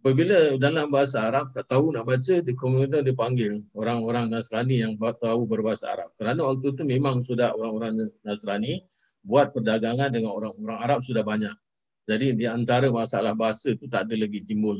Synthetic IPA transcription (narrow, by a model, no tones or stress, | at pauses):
apəbilədalambaɦasaːɾap̚k̪aʔt̪aɦunaʔbat͡ʃədikomunit̪̬adiəpaŋɡɪloɾaŋoɾaŋnasɾanijaŋbat̪aubərbaɦasaa̰ɾa̰p̚kəɾanəwak̚t̪ut̪umẽmaŋsudahoɾaŋoɾaŋnasɾani | buat̪̚pərdaɡaŋandəŋanoɾaŋoɾaŋaɾap̚sudahbaɲak̚ | d͡ʒadidiant̪aɾəmasaalahbaɦasət̪ut̪aʔdəlaɡit̪imbʊl